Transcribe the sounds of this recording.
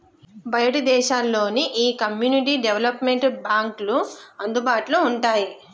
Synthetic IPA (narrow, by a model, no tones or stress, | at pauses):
bɐjɐʈid̪ɛːʃaːlːo̞ːniʔiːkɐmjuːniʈ̬iːɖeʋlɐpmeɳʈbaːŋkluɐnd̪ubaːʈlouɳʈaːji